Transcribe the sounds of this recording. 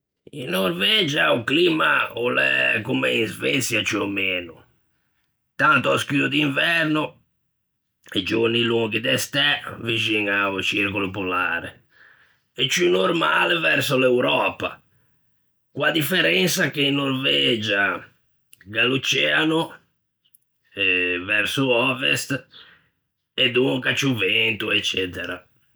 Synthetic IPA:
ḭnːoɾvɛd͡ʒaukliːmaolɛ̰kumɛinzvɛt̪sjat͡ʃiomeːnṵ | t̪ant̪ɔaskyːd̪od̪iɱvɛɾnʊ | ed͡ʒorniluŋɡid̪ɛst̪ɛvid͡ʒiŋaut͡ʃiɾkulupɔlaːɾɛ̰ | ɛt͡ʃunoɾmaːlɛvɛɾsolɛwɾɔːpa̰ | kwad̪ifɛɾɛnsakeinːoɾvɛːd͡ʒa | ɡalut͡ʃɛanu | ɛvɛɾsuɔvɛ̰st̪ | ɛd̪uŋkat͡ʃuvɛnt̪uɛt͡ʃːɛːt̪ɛɾa̰

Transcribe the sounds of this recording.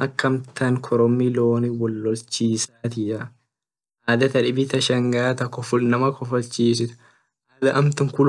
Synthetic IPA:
ʔɐkːɐmt̪ɐŋkʰɔɾɔmːiloːniwɔlːɔlt͡ʃːiːsaːt̪ɪɐ | ʔaːd̪ɐt̪ɐᶑɪbɪt̪ɐʃɐŋɡaːt̪ɐkɔfʊlnɐmɐkʰɔfɐlt͡ʃːiːsɪt̪ | ʔaːd̪ɐʔɐmt̪ɐŋkʊl

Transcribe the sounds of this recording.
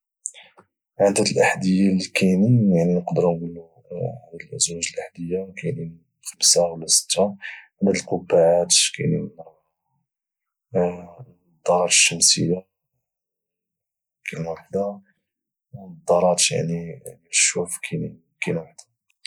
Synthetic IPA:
ʕənd̪æt̪əlʔaħd̪əjːalːikʰænijaʕninəqd̪əɾnɡulːu | ʕæd̪əlʔəzwæʒəlʔaħd̪əjːakænin | xəmsawlːæsə̥t̪ːaʕənd̪æd̪əlqobːaʕat̪kæ̰jni | d̪ːɑɾˤɑɾʃːəmsəjːa | kʰænwaħd̪a | wd̪ˤːɑɾˤɑt̪ja̰ʕninʃufkʰæn | kænwaħd̪̥a

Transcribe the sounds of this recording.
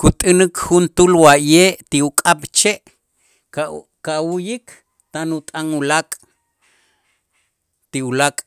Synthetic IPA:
kut̪ʼɨnɨkhunt̪ulwajeːʔt̪iukʼaɓ̥t͡ʃeʔ | kawujik | t̪anut̪ʼaŋulakʼ | t̪iulakʼ

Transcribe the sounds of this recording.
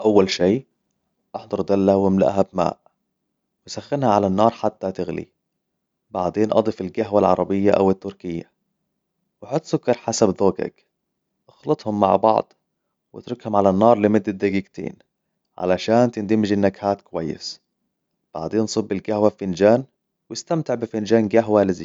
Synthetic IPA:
ʔawːalʃiː | ʔɑħd̪ˤɑɾˤd̪alːawɪmla̰ʔɦabma̰ːʔ | wɪsaxːɪnhaʕalanːɑːɾˤħat̪ːat̪ɪɣlḭ | baʕd̪eːnʔɑ̰d̪ˤɨfɪlɡaɦwalʕɑ̰ɾˤɑbɪjːaʔa̰wɪt̪ːʊɾkɪjːa̰ | wɪħʊt̪ˤːsʊkːɑɾˤħasabðoːka̰k | ʔɑxlɑt̪ˤhʊmːa̰ʕbɑ̰ʕd̪ˤ | wɪ̰t̪ɾʊkhʊmʕalanːɑːɾˤlɪmɪd̪ːad̪aɡiːɡt̪ʰḛːn | ʕa̰laʃaːnt̪ɪnd̪ɪmɪd͡ʒɪnːakhaːt̪kʊwajːɪ̰s | b̥a̰ʕd̪eːnsˤɨbːɪlɡahwaffɪnd͡ʒaːn | wɪst̪amt̪ɪʕbɪfɪnd͡ʒaːnɡaɦwalɪzi

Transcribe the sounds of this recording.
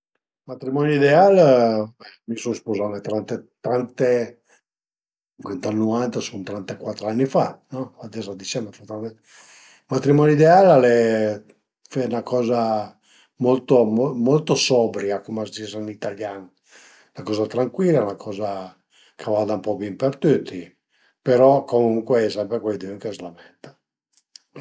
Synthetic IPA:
mat̪ɾimɔnjoid̪ealɛmisonspozanet̪ɾant̪et̪ɾant̪e | ŋkwent̪anːuvant̪asunt̪ɾant̪akwat̪ːɾanːifanɔad̪ɛzad̪it͡ʃɛnːafat̪an | mat̪ɾimɔnoid̪ealalɛ | fɛnakʰɔːza | molt̪omomolt̪osɔbɾiakomast̪isanit̪aljaːn | lakɔːzat̪ɾaŋkwilːaɛnakʰɔːza | kʰavad̪aumpɔbimpert̪ut̪ʰːi | peɾɔkomuŋkweɛsɛmpɾekwed̪uuŋkezlamɛnt̪ḁ

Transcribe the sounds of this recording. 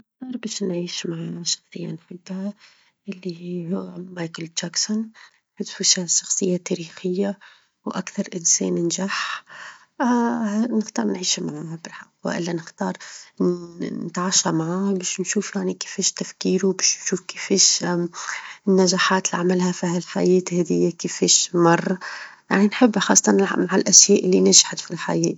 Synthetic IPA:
nɪxt̪ɑːɾˤbɛːʃnʕiːʃmaʕaʃɑ̥xsˤəjːa̰nħʊd̪ːha | ʔɪlːihʊwːmajkəlt̪ʒaksʊn | ħʊt̪fuʃaʃːɑ̥xsˤɨjːat̪æɾiːxɪjːa | wʔakθɑɾˤʔɪnsɛ̰ːnɪnʒaħ | nɪxt̪ɑːɾˤnʕiːʃhmaʕahabɪlħɑqːw̰ʔɪ̰lːanɪxt̪ɑːɾˤ | nɪt̪ʕaːʃamaʕaːhbeːʃnʃuːfjaʕnike̥feːʃt̪afkiːɾubeːʃnʃuːfkefeːʃ | nːaʒaːħaːt̪liʕamalhafihalħa̰jɛːt̪hɛːd̪ɪjːakefeːʃmɑrˤːɑja̰ʕninħɪbːxɑːsˤːɑt̪ɑnmaʕalʔæʃjɛːʔɪlːinaʒħat̪filħa̰jɛːt̪

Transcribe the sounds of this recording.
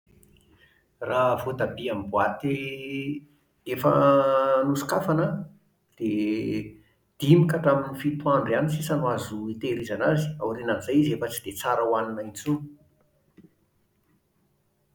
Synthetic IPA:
ravod̪abiambuat̪e | efə̰nusi̥kafanə | d̪̥e | d̪̥imikəʈ͡ʂaminifit̪uaɳɖ͡ʐianisisanwazuit̪eɾizanazi̥a̰wɾinanizajizefət͡sid̪̥et͡saɾəwaninait͡sun

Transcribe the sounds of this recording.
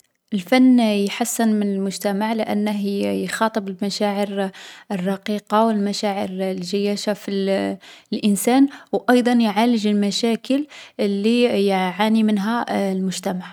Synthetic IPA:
ʔəlfænːjħasːənmənəlmʊʒt̪æmaʕlɪʔæ̰nːəɦjxɑt̪ˤəbəlmæʃæʕəɾərˤːɑqiqɑwəlmæʃæʕəɾlʒəjːæʃafi | lʔənsænwʔɑjd̪ˤɑnjʕaləʒəlmæʃækəllːijʕanimənɦælmʊʒt̪æmaʕ

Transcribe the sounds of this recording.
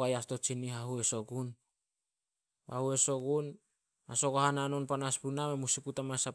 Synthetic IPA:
ajasto̞t͡ʃiniɦahue̞so̞ɡun | ba̰hue̞so̞ɡun | haso̞kohanano̞npanaspunamemusiputamasa

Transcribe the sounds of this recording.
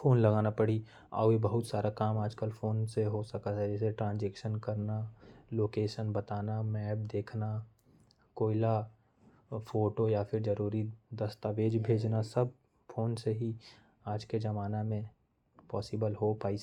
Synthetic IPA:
foːnlɐɡaːnapɐɽ̤i | a̰ːebɐɦʊt̪saːɾakaːmaːd͡ʒkəlfʰoːnseɦosɐkaɦɛd͡ʒɛːseʈɾãːnzɛːkʃənkɐɾnaloːkeːʃənbɐt̪aːnamɛːp̚d̪eːkʰna | koːɪla | fʰoːʈojapʰɪɾd͡ʒɐɾuːɾid̪ɐst̪aʋeːd͡ʒbʱeːd͡ʒnasɐb̚ | foːnseɦi | aːd͡ʒked͡ʒɐmaːnamẽ | pɔːsɪbəlɦopaːi

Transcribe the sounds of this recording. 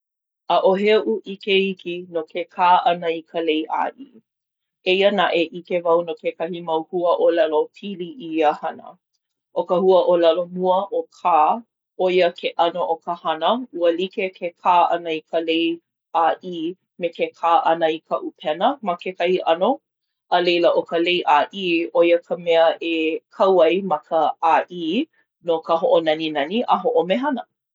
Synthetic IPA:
əʔoɦɛʔuʔikeikinokʰekʰaːʔɐnəikʰəlejʔa̰ːʔi | eiənaʔeʔikevɐwnokekɐhimɐwhuəʔolɛlopʰiliʔiəhɐnə̰ | ʔokəhuəʔolɐlomuəʔokʰaː | ojəkʰeʔɐnoʔokəhɐnəuəlikekʰekʰaːʔɐ̰nəikʰəlej | aːʔiː | mekekʰaːʔɐnəikʰɐʔupʰɛnəmakekɐhiʔɐno | ʔəlejləʔokəlejʔaːʔiːojəkʰəmɛəʔekʰɐwɐjmɐkʰəaːʔiː | nokəɦoʔonɐninɐniʔəɦoʔomeɦɐnə

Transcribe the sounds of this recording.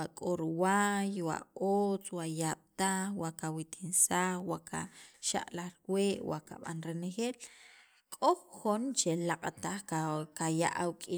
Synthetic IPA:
akʼoɾwajwa̰oːt͡swaʔjaɓ̥t̪axwaʔkawit̪ʰinsaxwaʔkʰa̰ʃa̰ʔʼlaχɾweːʔwa̰ʔka̰ɓa̰nɾenexeːl | kʼoxxont͡ʃelaqʼt̪aχkkaja̰ʔawkʼi

